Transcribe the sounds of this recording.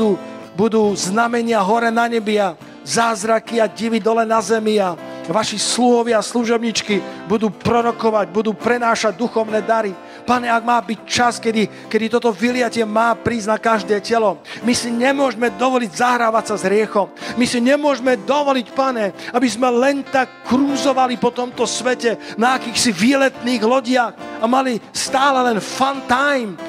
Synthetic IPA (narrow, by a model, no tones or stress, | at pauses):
uː | bud̪uːznamɛɲɪaɦɔɾɛnaɲɛbia | zaːzɾakiaɟiʋid̪ɔlɛnazɛmiaʋaʃisluɦɔʋɪasluʒɔbɲiːt͡ʃkibud̪uːpɾɔɾɔkɔʋaɟbud̪uːpɾɛnaːʃaɟ̚d̪uxɔʊnɛːd̪aɾi | paɲɛaɡmaːbic̚t͡ʃaskɛd̪i | kɛd̪it̪ɔt̪ɔʋilɪacɪɛmaːpɾiːznakaʒd̪ɛːcɛlɔmisiɲɛmʊɔʒɛmɛd̪ɔʋɔliɟzaɦɾaːʋacsazɦɾɪɛxɔmmisiɲɛmʊɔʒmɛd̪ɔʋɔlicpaɲɛabizmɛlɛnt̪akːɾuːzɔʋalipɔt̪ɔmt̪ɔsʋɛcɛnaːkiːxsiʋiːlɛt̪niːɣlɔɟɪaxamalist̪aːlɛlɛnfant̪ajm